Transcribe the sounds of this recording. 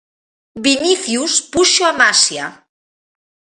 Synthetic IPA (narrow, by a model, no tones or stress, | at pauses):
biniθjuspuʃoamasja